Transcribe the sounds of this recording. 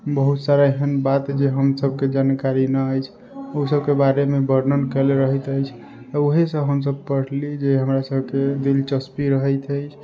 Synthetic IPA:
bəɦut̪saɾaeɦənbat̪d͡ʒeɦəmsəbʱked͡ʒankaɾinəəjt͡ʃʰ | osəbkebaɾemebəɾnənkeleɾəɦət̪əjt͡ʃʰ | t̪əoɦesə̃ɦəms̬əb̚pəɽ̤lid͡ʒeɦəmɾasəbʱked̪ilt͡ʃəspiɾəɦəjt̪əjt͡ʃʰ

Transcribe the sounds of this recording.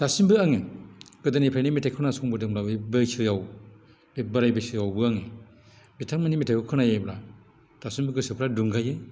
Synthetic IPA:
tasimbɯaŋiɡ̥ɯdanipʰɾajnimitʰakʰɯnasɔŋbɯdɯŋɾabebɯjsɯjaw | bebɯɾajbɯsɯjawbɯaŋi | bitʰaŋmanimitʰakʰɯkʰɯnajajbɾa | tasimbɯɡɯsɯpʰɾaduŋɡajɯ

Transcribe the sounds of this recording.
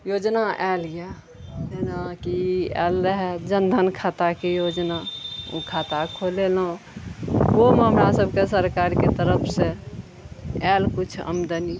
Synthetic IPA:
jod͡ʒnaʔɛlje | ɦenakiɛ̰lɾəɦɛd͡ʒənd̪ʱənkʰat̪akejod͡ʒnaṵ̃kʰat̪akʰolelõ | omɦəmɾasəbʱkesəɾkaɾket̪əɾəpʰse | ɛlkut͡ʃʰə̰md̪əni

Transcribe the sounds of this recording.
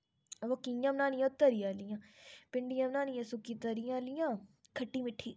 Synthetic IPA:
ʋəkijãːmnaːnĩjãːt̪əɾijaːlɪjãːpɪɳɖɪjãːmnaːnĩjãːsʊkiːt̪əɾijãːlɪjãː | kʰəʈːiːmɪʈʰːiː

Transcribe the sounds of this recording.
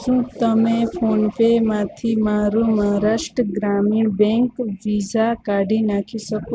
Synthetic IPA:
sũt̪əmẽpʰonpemat̪ʰimaɾumaɦɾasʈəɡɾamiɳbẽŋkʋizakaɖʱinakʰisəko

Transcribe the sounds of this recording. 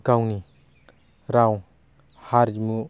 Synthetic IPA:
kawni | ɾaw | haɾmu

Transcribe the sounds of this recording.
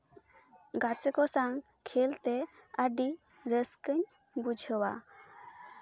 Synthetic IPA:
ɡat͡səkɔsaŋ | kʰelt̪ɛaɖi | ɾəskəɲ | bud͡ʒʱəwa̰

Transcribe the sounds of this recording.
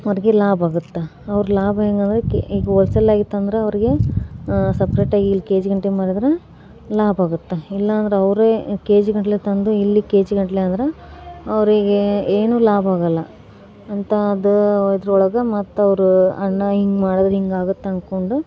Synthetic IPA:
ɐʋɐɾiɡelaːbaːɡut̪ːe | ɐʋɾlaːbeːŋɡɐnd̪ɾekiːɡeɔlsɐlːaːɡit̪ːɐnd̪ɐɾeɐʋɐɾiɡe̞ | sɐpɾeːʈaːɡiːlːike̞ːd͡ʒɡɐɳʈemaːɽid̪ɾe | laːbaːɡut̪ːeilːɐːnd̪ɐɾeɐʋɐɾeke̞ːd͡ʒɡɐɳʈɐlet̪ɐnd̪uilːike̞ːd͡ʒɡɐɳʈɐleɐnd̪ɐɾeɐʋɐɾiɡeeːnuːlaːbaːɡɐlːɐ | ɐnt̪ɐd̪uid̪ɾɐɔɭɐɡɐmɐt̪ːɐʋɐɾuɐɳːɐɦiŋɡmaːɽid̪ɐɾɐɦiŋɡaːɡut̪ːeɐnkoɳɖu

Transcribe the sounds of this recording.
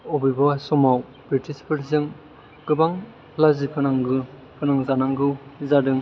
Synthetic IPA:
ɔbibasɔmaw | bɾitispʰɯɾzɯŋ | ɡ̥ɯbaŋ | lazipʰɯnaŋɡɯ | pʰɯnaŋzanaŋɡɯwzadɯŋ

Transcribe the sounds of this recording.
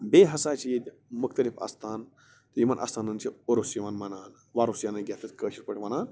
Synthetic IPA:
beːɦɐsaːt͡ʃʰijid̪ʲ | mʊkt̪ɐlifɐ̰st̪ʰaːn | t̪jimɐnʔɐ̰ːst̪ʰaːnɐnt͡ʃʰioɾosjimɐnmɐnaːn | ʋaːɾosjaːnɐɡʲat̪ʰɐt̪ʲkəːʃiɾpəʈʰʋɐnaːn

